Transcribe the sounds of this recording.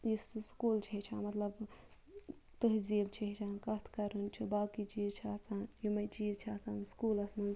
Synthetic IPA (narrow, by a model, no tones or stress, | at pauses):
jisskuːlt͡ʃʰet͡ʃʰamɐt̪lɐb | t̪əɦzibt͡ʃʰiɦit͡ʃʰãnkɐt̪ʰkɐɾənt͡ʃʰibaːkit͡ʃiːzt͡ʃʰiasanjimɐt͡ʃiːzt͡ʃʰiasanskuːlɐsnu